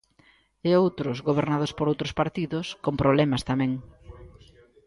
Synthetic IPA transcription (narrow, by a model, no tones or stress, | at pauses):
eowt̪ɾʊzɣoβ̞eɾnaðʊspoɾowt̪ɾʊspaɾt̪iðʊskompɾoβlɛmɐst̪amɛ̃ŋ